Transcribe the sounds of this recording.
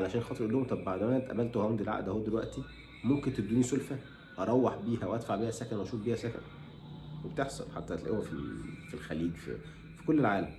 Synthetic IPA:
alæʃæːnxɑt̪ˤɨɾʔelːoːhomt̪ˤɑbːaʕd̪æmææt̪ʔæ̰bælt̪ohænd̪elʕa̰ʔd̪ʔæhoːd̪elwæ̰ʔt̪i | momkent̪ed̪ːuːnisolfæ | ʔɑɾˤɑwːɑħbiːhæwʔæd̪faʕbiːhæsækænwʔæʃuːt̪biːhæsækæ̰n | webet̪eħsˤɑ̰lħa̰t̪ːæelʔæwæfḭlfilxæliːd͡ʒfḭ | fi̥kolːelʕaːlæm

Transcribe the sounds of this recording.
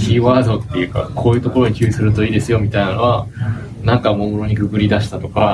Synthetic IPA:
tʲiːβaːzo̞t̪ːe̞jɯ̟ːka̰kʰo̞ːjɯ̟ːt̪okoɾo̞ɲikʲɨ̟ːisɨɾɯ̟t̪o̞iːd̪e̞sɨjo̞mʲit̪ainanoa | nãŋkamomoɾo̞ɲ̟ikɯkɯ̟ɾʲid̪aɕi̥t̪at̪o̞ka

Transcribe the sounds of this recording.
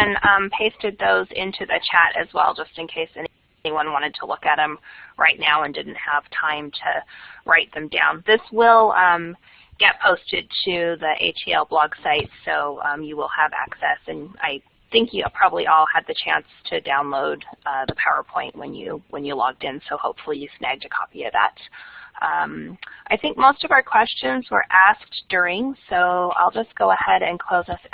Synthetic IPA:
ɨ̃nʌ̃mpʰeɪstɨd̪̚ðoʊzɪ̰̃ntʰʉðɨt͡ʃʰæɾɨ̰zwɛ̰lˠd͡ʒʌstɨ̃nkʰeɪsɛn | niwʌ̃nwɑ̃ɾ̃ɨd̚tʰəlʊkɨɾ̚ɨ̃mɹʔa̰ɪtⁿnaʊə̃ndɪdⁿn̩t̚həv̥tʰãɪ̃mtʰɨɹaɪt̪̚ðɨ̃mdã̰ʊ̃nðɪswɪlˠʌ̃m | ɡ̥ɛt̚pʰoʊstɨd̚tʰʉðiʔḛɪt͡ʃʰiɛ̰lˠblɔɡ̥saɪtsoʊʌ̰̃mjɨwɪlˠəvæ̰ksɛsɨ̃na̰ɪ | θɪ̃ŋkjɨpʰɹ̥ɑbəblḭʔɔlˠɨd̪̚ðɨt͡ʃʰæ̰̃nstʰɨdãʊ̃nloʊd̪̚ðəpʰaʊə̰˞pʰɔ̃ɪ̃nʔwɨ̰̃njʉ̰wə̃njɨlɔ̰ɡ̚dɨ̃nsoʊhoʊpfl̩ˠijɨsnæ̰ɡ̚tɨkʰɑ̰piʌ̰ðæ̰t̚ʔʌ̃mʔaɪθɪ̃ŋk̚moʊstʌvaʊə˞kʰw̥ɛst͡ʃɨ̃nzwə̰˞ʔæsk̚d̥ʊ˞ɪ̃ŋsoʊa̰ɪlˠd͡ʒʌsɡ̥oʊəhɛɾɨ̃nkʰl̥oʊzʌs

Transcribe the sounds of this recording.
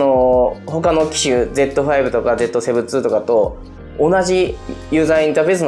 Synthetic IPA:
oho̞kano̞kʲi̥ɕɯd͡ze̞t̪ːo̞ɸaibɯ̟t̪o̞kad͡ze̞t̪ːo̞se̞bɯ̟t͡sɨːt̪o̞kat̪o̞ː | naʑijɯ̟ːzaĩnt̪aːɸe̞ːsɨn

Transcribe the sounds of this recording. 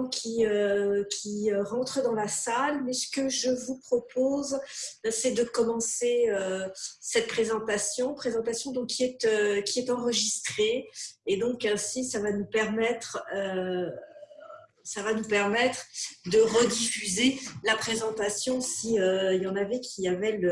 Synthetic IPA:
kʲʰiøkʲʰiøʁɑ̃t̪χəd̪ɑ̃lasalmɛsə̥kəʒəvupχɔpozsɛd̪əkɔmɑ̃seøsɛt̪̚pχezɑ̃t̪asjɔ̃pχezɑ̃t̪asjɔ̃d̪ɔ̃kʲʰːiɛt̪økʲiɛt̪ɑ̃ʁəʒist̪χeed̪ɔ̃kɛ̃sisavanupɛʁmɛt̪χø | savanupɛʁmɛt̪χd̪əʁəd̪ifyzelapχezɑ̃t̪asjɔ̃siøilɑ̃navɛkʲʰiavɛlə

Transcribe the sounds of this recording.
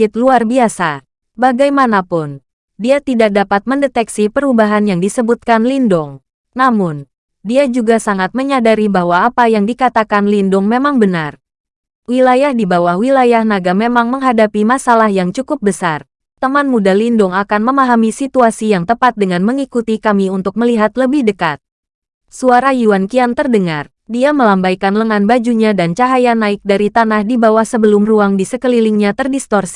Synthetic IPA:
ɪt̪̚luarbiasa | baɡajmanapʊn | diat̪idak̚dapat̪̚məndet̪ɛksipəɾubaɦanjaŋdisəbut̪̚kanlindʊŋ | namʊn | diad͡ʒuɡasaŋat̪̚məɲadaɾibaɦwaːpajaŋdikat̪akanlindʊŋmemaŋbənar | wilajahdibawahwilajahnaɡamemaŋməŋɦadapimasalahjaŋt͡ʃukʊp̚bəsar | t̪əmanmudalindʊŋakanməmaɦamisit̪uasijaŋt̪əpat̪̚dəŋanməŋikut̪ikamiunt̪ʊk̚məliɦat̪ləbɪhdəkat̪̚ | suaɾajuankiant̪ərdəŋar | diaməlambajkanləŋanbad͡ʒuɲadant͡ʃaɦajanaɪk̚daɾit̪anahdibawahsəbəlʊmruaŋdisəkəliliŋɲat̪ərdist̪ɔrsi̥

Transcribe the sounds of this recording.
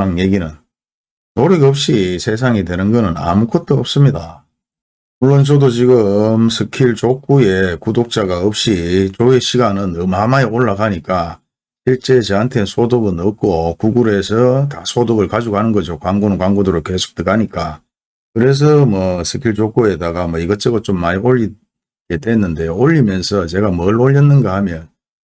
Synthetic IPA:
aŋje̞ɡinɯn | noɾɯɡeʌp̚ɕ͈isʰe̞s̬ʰaŋidwe̞nɯnɡʌnɯna̰mukʰot̚t͈oʌp̚s͈ɯmɲida | muɭːont͡ɕʌdot͡ɕiɡɯmsʰɯkʰiɭt͡ɕok͈̚ue̞kudok̚t͡ɕ͈aɡaʌp̚ɕ͈it͡ɕoeɕʰiɡanɯnɯmhamaeoɭːaɡaɲik͈a | ɕʰiɭt͡ɕ͈e̞t͡ɕeantʰe̞nsʰodoɡɯnʌk̚k͈okuɡuɾe̞s̬ʰʌtasʰodoɡɯɭkad͡ʑuɡɦanɯnɡʌd͡ʑokwaŋɡunɯnkwaŋɡodoɾoke̞sʰo̥k̚tɯɡaɲik͈a | kɯɾe̞s̬ʰʌmwʌsʰɯkʰiɭt͡ɕok͈ue̞daɡamwʌiɡʌt͡ɕʰeɡʌt͡ɕomːaɲioʎːi | ɡedwe̞nːɯnde̞oʎːimjʌnsʰʌt͡ɕe̞ɡamʌɭoʎːʌnːɯnɡahamjʌn

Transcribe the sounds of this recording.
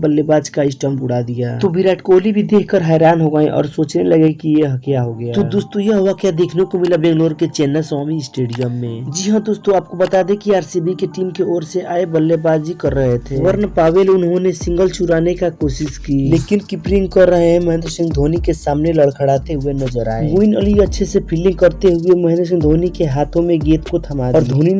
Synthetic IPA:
bəlːebaːd͡ʒkaɪsʈəmbʊɽ̤ad̪ija̰ːt̪obiɾɛːʈkoːlibʱid̪eːkʰkəɾɦɛːɾaːnɦoɡaːẽʔɔ̰ːɾsoːt͡ʃneləɡekijeɦəkjaɦoɡɐjat̪ud̪ʊst̪ojeɦoakjad̪eːkʰnekomɪlabẽŋɡloːɾket͡ʃɛːnəsaːmiɪsʈeːɖijəmːẽd͡ʒiɦãd̪ʊst̪oaːp̚kobət̪ad̪ẽkiaːɾsibikeʈiːmkeɔːɾseʔaːebəlːebaːd̪d͡ʒikəɾːəɦet̪ʰeʋəɾnpaːʋeːlʊnɦõnesɪ̃ŋɡəlt͡ʃuɾaːnekakoːsɪskileːkɪnkɪpɾɪ̃ŋɡkəɾːəɦeɦɛ̃məɦɛ̃nd̪ɾsɪ̃ŋɡd̪ʱoːnikesaːmneləɽkʰəɽaːt̪eɦuenɐd͡ʒəɾa̰ːemuɪnəliətːʃʰesepʰilɪ̃ŋɡkəɾt̪eɦueməɦɛ̃nd̪ɾs̬ɪ̃ŋɡd̪ʱoːnikeɦaːt̪ʰõmẽɡeːt̪kot̪ʰɐmaːɔːɾd̪ʱoːni

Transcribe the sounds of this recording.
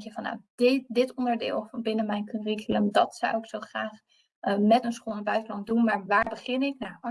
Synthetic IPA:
kjəvɑnːa̰ddɪtɔndəɹdɪ̰ːlˠvɑnbɪnəmɛjnkørikələmdɑtsa̰wɪksowχraːχ | mɛtənsχoːnəbœɥtəlɑn̚dunmaːɹʋaːɹbəχɪnɪkna

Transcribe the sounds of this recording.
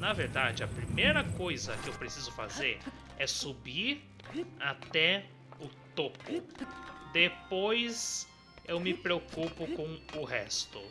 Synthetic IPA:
naveɾd̪ad͡ʒɪɐpɾimejɾɐkojzɐkɪewpɾesizʊfa̰zeɾ | ɛsubiɾ | at̪ɛ | ʊt̪okʊ | d̪epojz | ewmɪpɾeokupʊkõʊɦɛst̪ʊ

